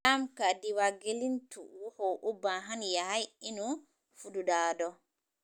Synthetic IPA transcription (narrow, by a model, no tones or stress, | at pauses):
amkadiwaɡelintṵwɔhɔʔubaɦanjaɦajinu | fududaːdɔ